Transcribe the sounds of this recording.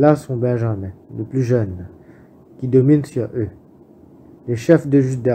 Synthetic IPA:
lasɔ̃bɛ̃ʒamɛ̃ləplyʒœn | kʲid̪ɔminsyʁø | leʃɛfd̪əʒyd̪ɛ

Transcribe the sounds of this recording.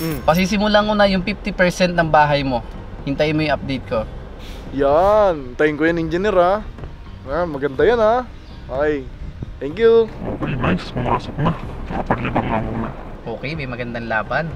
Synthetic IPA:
m̩pɐs̬is̬ɪmʊlaŋonɐjʊŋpif̚t̪ɪpɛɹsɛnt̪̚nɐŋbaːɦɐjmo̞ | hɪnt̪ajnmojʊŋʔɐp̚d̪ɛjt̪̚ko̞ | jant̪ɐjɪnkojɐnɪnd͡ʒɪniɾa | amɐɡɐnd̪ajana | ʔajt̪ɛŋkjuʔo̰ːkɛjmajskʊmaːsoknamɐkɐpɐɡlɐbaŋʔa̰ːmona̰ | ʔo̞ːkɛjmɐjmɐɡɐnd̪ɐŋlaːbɐn

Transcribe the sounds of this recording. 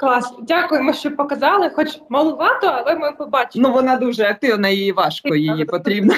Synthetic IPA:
klˠɑsnɔdʲakʊjemɔʃt͡ʃɔpɔkɐzɑlˠɪxɔt͡ʃmɐlˠʊʋɑt̪ɔɐlˠɛmɔpɔbɑt͡ʃʲɪnuʋɔnɑd̪uʒɛɐk̚t̪ɪʋnɐjɪjiʋɑʃkɔjijipɔt̪ɾʲibnɐ

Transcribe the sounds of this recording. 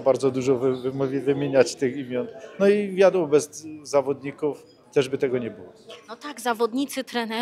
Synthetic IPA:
baɾd̪zɔd̪uʐɔvvmʲvɘmʲjeɲat͡ɕt̪ɘximʲjɔnnɔivʲjad̪wɔbɛzːavɔd̪ɲikuf | t̪ɛʐbɘt̪ɛɡɔɲɛbɨwɔɔt̪aɡzavɔd̪ɲit̪sɘt̪ɾɛnɛ

